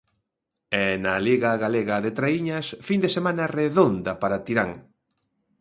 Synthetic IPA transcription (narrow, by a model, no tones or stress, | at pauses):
ɛnɐliɣɐɣaleɣɐðet̪ɾaiɲɐsfind̪esemãnɐreðond̪ɐpaɾat̪iɾaŋ